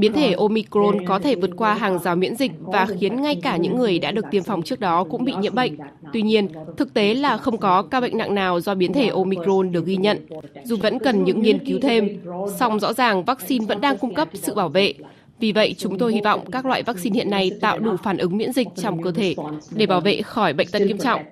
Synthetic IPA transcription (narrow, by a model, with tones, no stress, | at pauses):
ɓi˨˦ənt̪ʰe˧˩ʔo˧mi˧kɾo˧nkɔ˨˦t̪ʰe˧˩vɨ˨˩ət̚kwaː˧ɦaː˨˩ŋzaː˨˦wmwḭ˧˥ənzï˨˩k̟̚vaː˨˩xi˨˦ənŋa˧jkaː˧˩ɲɨ̰˧˥ŋːɨ˨˩əjɗa̰ː˧˥ɗɨ˨˩ək̚t̪i˧˩ənfa˨˩wŋ͡mt͡ɕɨ˦˥ək̚ɗɔ˨˦kʊ̰˧˥ŋ͡mɓḭ˧˨ɲḭ˧˨nɓə̰˧˨jŋ̟ | t̪wi˧ɲi˧ənt̪ʰɨ˨˩k̚t̪e˨˦laː˨˩xə˧wŋ͡mkɔ˨˦kaː˧ɓə̰˧˨jŋ̟na̰˧˨ŋnaː˨˩wzɔ˧ɓi˨˦nt̪ʰe˧˩ʔo˧mi˧kɾo˧nɗɨ˨˩ək̚ɣi˧ɲə̰˧˨nzu˨˩və̰˧˥nkə˨˩nɲɨ̰˧˥ŋŋi˧ənki˨˦wt̪ʰe˧msa˧wŋ͡mzɔ̰˧˥zaː˨˩ŋvaː˦˥k̚si˧nvə̰˧˥nɗaː˧ŋkʊ˧ŋ͡mkə˦˥p̚sɨ̰˧˨ɓaː˧˩wvḛ˧˨ | vi˨˩və̰˧˨jt͡ɕʊ˨˦ŋ͡mt̪o˧jhi˧vɔ̰˧˨wŋ͡mkaː˦˥k̚lwa̰ː˧˨jvaː˦˥k̚si˧nhḭ˧ənːa˧jt̪a̰ː˧˨wɗu˧˩faː˧˩nʔɨ˨˦ŋmwḭ˧˥ənzï˨˩k̟̚t͡ɕɔ˧wŋ͡mkəː˧t̪ʰe˧˩ɗe˧˩ɓaː˧˩wvḛ˧˨xɔ˧˩jɓə̰˧˨jŋ̟t̪ə˧nŋi˧əmt͡ɕɔ̰˧˨wŋ͡mʔ